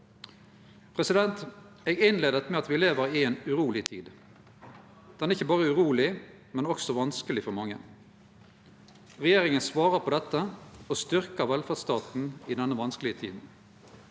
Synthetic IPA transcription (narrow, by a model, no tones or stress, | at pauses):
pʰʁɛsɪd̪ɛnt̪ | eːɡɪnleːd̪ət̪mɛɑt̪ʋɪleːʋəɾɪeːnʉʁuːlɪt̪ʰḭːd̪ | d̪̥ɛnæʁɪçːəbɑːʁəʉʁuːlɪ | mɛnɔksɔʋɑnskəlɪfɔʁmɑŋːə̰ | ʁɛjeːʁɪŋənsʋɑːʁəʁpʰɔd̪ɛt̪ːəɔst̪ʏʁkəʋɛlfæd̪st̪ɑːt̪n̩ɪd̪ɛnːəʋɑnskəlɪət̪ʰḭːd̪n̩